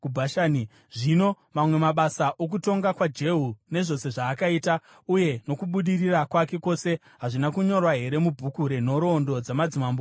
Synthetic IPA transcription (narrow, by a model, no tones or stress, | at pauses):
kubʱaʃaːni | ʐino̞ | mamwe̞maɓasaʔok̬uto̞ŋɡakwad͡ʒe̞ɦune̞ʐo̞se̞ʐaːkaiːta | uje̞no̞kuɓuɗirirakwake̞ko̞se̞ | ɦaʐinakuɲo̞rwaɦe̞ɾe̞mubʱukuɾe̞no̞ɾo̞ndo̞d͡zamad͡zimambo